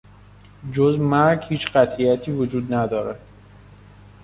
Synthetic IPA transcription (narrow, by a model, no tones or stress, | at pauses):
d͡ʒozmæɾɡhiːt͡ʃɢæt̪ʰʔijæt̪ʰiːvod͡ʒuːd̪næd̪ɒːɾe